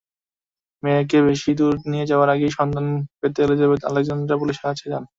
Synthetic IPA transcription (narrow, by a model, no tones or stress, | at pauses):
mek̬eβeʃid̪uɾnijed͡ʑaoaɾaɡejʃɔnd̪anpet̪eoled͡ʑaβet̪a̰lek̚d͡ʑand̪ɾapuliʃeat͡ɕʰed͡ʑan